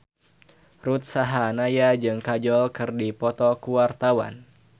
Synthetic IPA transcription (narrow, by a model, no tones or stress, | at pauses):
rut̪̚saɦanajad͡ʒɨŋkad͡ʒɔlkɨrdipɔt̪ɔkuwart̪awa̰n